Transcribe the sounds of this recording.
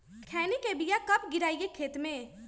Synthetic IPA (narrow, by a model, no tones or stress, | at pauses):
kʰɛːnikebijakɐpɡɪɾaːijekʰeːt̪mẽ